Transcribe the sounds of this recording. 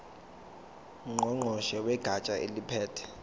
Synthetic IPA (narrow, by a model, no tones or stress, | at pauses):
ŋ͡ǃɔŋ͡ǃʱɔʃɛwɛɡ̥ʱat͡ʃʼaʔḛlipʰɛːtʰɛ̥